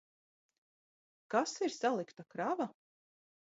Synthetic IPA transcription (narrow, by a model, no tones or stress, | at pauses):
kasiɾsalˠikt̪akɾava